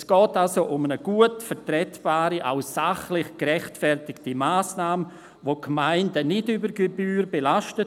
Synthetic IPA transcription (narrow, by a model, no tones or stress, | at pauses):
sɡ̥ɔːtalsoʔʊmənəɡ̥uətfɛɾtɾɛtb̥aːɾiʔa̰ʊsaχlɪχkɾɛχtfɛrtɪktimaːsnaːmə | vokmaɪndənɪdybəɾɡebyːɾbelaʃtə